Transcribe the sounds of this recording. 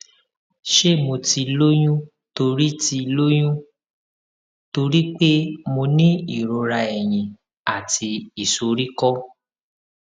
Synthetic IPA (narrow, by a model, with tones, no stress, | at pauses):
ʃe˦˨mo˧ti˧lo˦j̃ũ˦ | to˧ɾi˦ti˧lo˦j̃ũ˦ | to˧ɾi˦k͡pe˦mo˧nĩ˦i˦˨ɾo˧ɾa˧ɛ˨j̃ĩ˨ | a˨ti˧i˨so˨ɾi˦kɔ˦